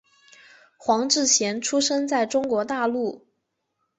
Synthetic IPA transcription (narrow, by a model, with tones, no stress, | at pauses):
xwɑ˧˥ŋʈ͡ʂɻ̩˥˩ɕjɛ˧˥nʈ͡ʂʰu˥ʂɤ˥ŋt͡sa˥˩ɪʈ͡ʂʊ˥ŋkwɔ˧˥t̪a˥˧lu˥˩